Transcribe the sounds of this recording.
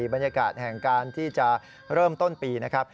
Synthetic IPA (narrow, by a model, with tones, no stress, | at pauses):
ba˧nja˧ka̰ː˨˩t̪̚hɛ˨˩ŋkaː˧nt̪ʰiː˥˩t͡ɕa˨˩ | ɾɤː˥˩mt̪o˥˩npiː˧na˦˥kʰɾa˦˥p̚